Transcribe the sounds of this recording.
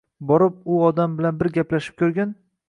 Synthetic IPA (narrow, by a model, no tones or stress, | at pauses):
bɒɾɪp̚ʊɒd̪ambɪlanbɪɾɡʲaplaʃɪ̥p̚kʲʰɵɾɡʲan